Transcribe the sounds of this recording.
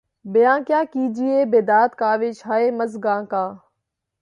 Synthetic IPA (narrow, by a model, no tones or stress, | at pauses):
bɪjãːkjaːkiːd͡ʒiːeːbeːd̪aːt̪kaːʋeːt͡ʃʰaːeːməzɡãːkãː